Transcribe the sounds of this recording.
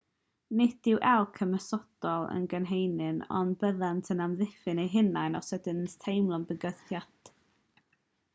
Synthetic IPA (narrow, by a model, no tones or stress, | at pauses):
nɪd̥ɪwʔɛlˠkʰəməsɔd̥ɔlˠə̰nɡənɦejnɨnɔ̰nbəðantʰənamðɪfɨnejɦɪnajnɔsɛdɪnstʰejmlˠɔnbəɡəθjad̥